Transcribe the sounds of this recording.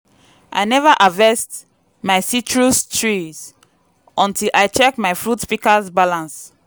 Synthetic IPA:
ʔa̰jnɛvaʔavɛst | majsit͡ʃɹustʰɹiz | ɔ̃ntʰilʔajt͡ʃɛkmajfɹutspikasbalãns

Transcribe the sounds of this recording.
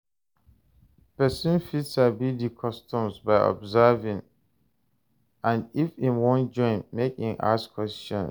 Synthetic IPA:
pɛsĩnfitsabidikʰɔstɔ̃msbaɪʔɔ̰bzɛvĩŋ | ãnifĩmwɔ̃nd͡ʒɔ̃ɪ̃nːekhĩŋʔa̰skʰwɛstɔ̰̃n

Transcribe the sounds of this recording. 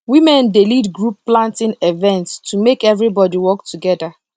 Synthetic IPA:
wimɛ̃ndelidɡɹupːlãntĩnevɛ̃ntstumekɛvɹibɔdiwɔk̚tʰuɡɛda

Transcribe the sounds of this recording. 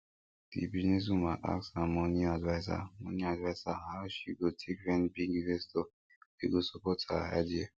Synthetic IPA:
dḭbiznes̬umaʔa̰ksamoniadvajsa̰moniadvajsahaʃiɡotʰikvɛ̃nbiɡivesto | eɡosopɔtʰa̰a̰dia

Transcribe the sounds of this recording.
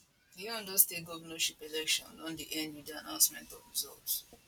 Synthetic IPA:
diɔ̃ndɔstet̚ɡɔvənɔʃipelɛkʃɔ̰̃nɔ̃ndiʔɛ̃ndwĩdianãʊ̃nsmɛ̃ntɔ̰vɹizɔ̰lts

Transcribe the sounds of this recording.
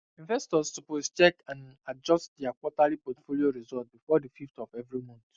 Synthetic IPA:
ĩnvɛstɔstupost͡ʃɛkãnad͡ʒɔst̚diakwɔtalipɔtfolioɹizɔt̚bifɔdififtɔvɛvɹimɔ̃nt

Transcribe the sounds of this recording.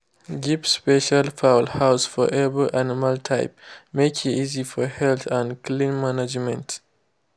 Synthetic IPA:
ɡipspɛʃalfaʊlhaʊsfɔ̰ʔɛbəlʔanimaltʰaɪp̚mekʰiizifɔhɛlθãndklĩnmanad͡ʒmɛ̃nt

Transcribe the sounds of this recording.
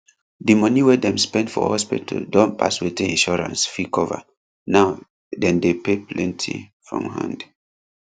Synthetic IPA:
dimɔniwɛdɛ̃mspɛ̃ndfɔ̰hɔspitʰldɔ̃npa̰swetɛĩnʃɔɹã̰nsfikʰɔva̰ | naʊ | dɛ̃ndepeplɛ̃ntʰḭfɹɔ̰̃mhã̰nd

